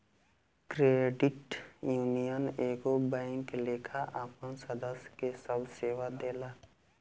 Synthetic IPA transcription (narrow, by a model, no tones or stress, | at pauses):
kɾeːɖɪʈjuːnijəneːɡobɛ̃ŋkleːkʰaʔaːpənsəd̪əskesəbseːʋad̪eːlaː